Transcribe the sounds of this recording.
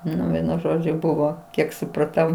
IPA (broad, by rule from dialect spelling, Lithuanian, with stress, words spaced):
ˈnʊ ˈʋʲiɛnʊ ˈʒoːd͡ʒʲʊ ˈbʊʋoː ˈkʲiɛk sʊprɐˈtɐʊ